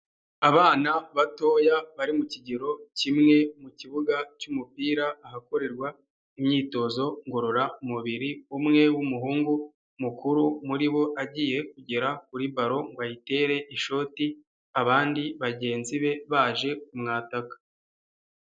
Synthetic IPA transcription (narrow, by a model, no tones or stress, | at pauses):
aβaːnaβato̞jaβaɾimuciɟeɾo̞cimŋe̞muciβuɡacumupiːɾaːɦako̞ɾe̞ɾɡwa | imɲiːto̞zo̞ŋɡo̞ɾo̞ɾaumuβiɾiumŋe̞wumuɦuːŋɡu | mukuɾumuɾiβo̞ʔaɟiːje̞k̚uɟe̞ɾak̚uɾibaɾo̞ŋɡajite̞ɾe̞ʔiʃo̞ti | aβaːndiβaɟe̞ːnziβe̞βaːʒe̞kumŋaːtakḁ